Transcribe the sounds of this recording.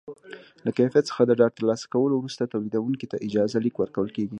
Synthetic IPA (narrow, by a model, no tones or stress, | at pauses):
lakajfijat̪sə̥xad̪əɖɑɖ̚t̪əɾlɑsḁkawəlowɾust̪at̪awlid̪awuŋkit̪aʔɪd͡ʒɑzalikwəɾkawəlkeɡi